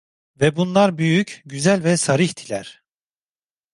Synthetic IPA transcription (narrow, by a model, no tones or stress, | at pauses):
vɛbunlˠaɾbyjycɟyzælʲvɛsaɾihd̪ʰilʲæɾ̥